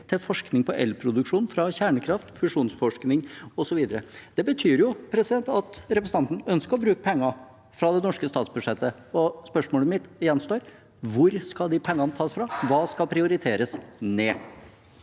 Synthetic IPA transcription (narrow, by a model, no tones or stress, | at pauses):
t̪ʰɪlfɔʂknɪŋpʰɔʔɛ̰lpʰɾʊd̪ʉkʂuːnfɾɑçæːɳəkʰɾɑft̪fʉʂuːnsfɔʂknɪŋɔsɔʋiːd̪əɾəd̪̥ɛbət̪ʰyːɾjʊpʰɾɛsɪd̪ɛnt̪ɑt̪ɾɛpɾəs̩ɑnt̪n̩œnskəɾɔbɾʉːkəpʰɛŋːɑ | fɾɑd̪ɛnɔʂkəst̪ɑːt̪sbʉʂɛt̪ːə | ɔspœʂmoːləmɪt̪jɛnst̪oːɾ | ʋʊɾskɑld̪ɪpʰɛŋːɑnət̪ʰɑːsfɾɑʋɑːskɑlpʰɾɪʊɾɪt̪ʰeːɾəsneː